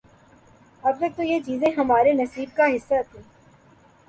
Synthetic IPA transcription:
ɐbtɐk̚t̪ojet͡ʃiːzẽɦɐmaːɾenɐsiːb̚kaɦɪsːat̪ʰĩː

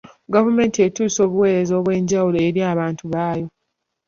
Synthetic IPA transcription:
ɡavume̞ːntietuːso̞ːβuwe̞ːɾe̞zo̞ːβwe̞ːɲɟawuloeɾiaːβaːntuβaːjo̞

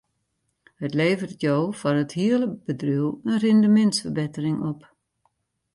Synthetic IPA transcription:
hətleːvərtjoːfɔnəthiələb̥ədryəlˠənrɪndəmɛntsfərbɪtərɪŋɔp

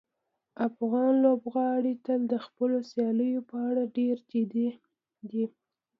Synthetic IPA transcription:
afɣɑnlobɣɑɽit̪əld̪əxpəlosjɑləjopəaɽaɖeɾd͡ʒed̪e | d̪i

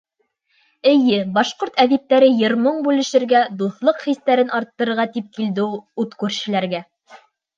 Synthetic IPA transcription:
ɘ̆jɘbɑʃqoɾt̪æðip̚t̪ːæɾɘjɤ̆ɾmɤɴbʉlɘ̆ʃɘ̆ɾɡæd̪uθlˠɤqχist̪æɾɘnʔɑɾt̪ːɤ̆ɾɤ̆ɾʁɑt̪ip̚kild̪ɘuut̪kʉɾʃɘ̆læɾɡæ

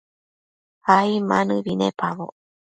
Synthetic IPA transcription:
aimanɯβinepaβo̰

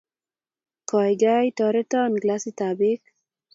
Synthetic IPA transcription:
kɑjɡajt̪ɔɾet̪ːnɡlasit̪aːbik

